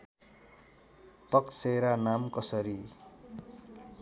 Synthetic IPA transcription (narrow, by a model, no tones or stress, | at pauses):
t̪ʌkseɾanamkʌsʌɾi